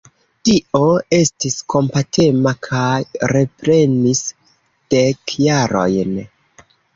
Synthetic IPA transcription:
tio̞e̞stisko̞mpatʰe̞makʰajɾe̞pɾe̞nis | d̥ekjaɾo̞̰jn

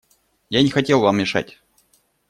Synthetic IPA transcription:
janʲɪxɐtʲe̞lˠvammʲɪʂa̰tʲ

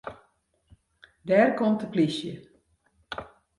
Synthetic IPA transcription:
dɛːrkɔmtəplisjə

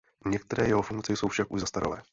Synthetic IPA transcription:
ɲɛk̚t̪ɛɾɛːjɛɦofuŋk̚t͡sɛjso̞wfʃakʔuʒzast̪aɾo̰lɛː

